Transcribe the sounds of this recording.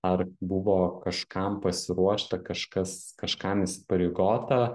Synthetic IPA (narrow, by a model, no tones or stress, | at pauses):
ɐrbʊʋoːkɐʃkɐmpɐsʲɪɾuɔʃt̪ɐkɐʃkɐskɐʃkɐmɪsʲɪ̥pɐɾʲeːɡoːt̪ɐ